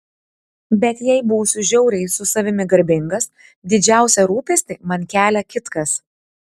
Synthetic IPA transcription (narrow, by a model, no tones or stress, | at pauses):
bʲɛt̪jɛɪbuːsʲʊʒʲɛʊɾʲɛɪsʊsɐʋʲɪmʲɪɡɐɾʲbʲɪŋɡɐs | d̪ʲɪd͡ʒʲæˑʊsʲɛɾuːpʲesʲt̪ʲɪmɐnʲkʲæːlʲɛkʲɪt̪kɐs